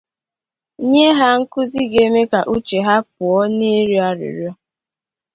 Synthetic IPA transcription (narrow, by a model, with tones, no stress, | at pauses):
ɲe˦ɦa˦ŋ̩˦kʊ˦zi˦ɡe˨me˦ka˨ʔu˦t͡ʃe˨ɦa˦p̚ʊ˨ɔ˦ne˦ɾji˦a˦ɾɪ̰˨ɾjɔ˦